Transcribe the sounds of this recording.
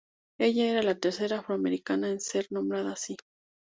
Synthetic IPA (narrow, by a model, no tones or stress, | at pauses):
e̞ʝae̞ɾalat̪e̞ɾse̞ɾaːfɾoame̞ɾikanaense̞ɾnombɾaðasi